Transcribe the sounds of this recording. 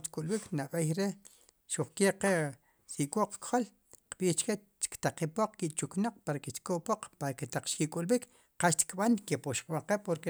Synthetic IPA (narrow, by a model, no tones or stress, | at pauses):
ʃt̪kʼulɓiknaɓejɾe | ʃuχkeqe | siʔkʼoqkχol | qɓiːt͡ʃke | t͡ʃkt̪aqipoq͡χkiʔt͡ʃuknoq͡χ̚paɾakeʃt̪koʔpoq͡χpaɾaket̪aq͡χʃkikʼulɓik | qaʃt̪i̥kɓankepuʃqʼɓaŋqepoɾke